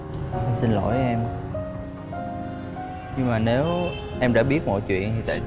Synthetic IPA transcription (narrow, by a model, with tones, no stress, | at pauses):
msi˧nlo̰˧˩jʔɛ˧m | ɲɨ˧ŋmaː˨˩ne˨˦w | ʔɛ˧mɗa̰ː˧˥ɓi˦˥ət̚mɔ̰˧˨jt͡ɕwḭ˧˨ənt̪ʰi˨˩t̪a̰ː˧˨j